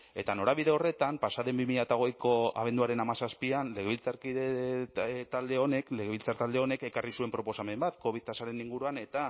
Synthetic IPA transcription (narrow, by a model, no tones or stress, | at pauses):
e̞t̪ano̞ɾaβiðe̞o̞re̞t̪ampasaðe̞mbimiʎat̪aɣojko̞a̰βe̞nd̪uaɾe̞namasaspianle̞ɣeβilt͡saɾkiðe | t̪ald̪e̞o̞ne̞kle̞ɣe̞βilt͡saɾt̪ald̪e̞o̞ne̞ke̞karisue̞mpɾo̞po̞same̞mbat̪ko̞βit̪asaɾe̞niŋɡuɾuane̞t̪a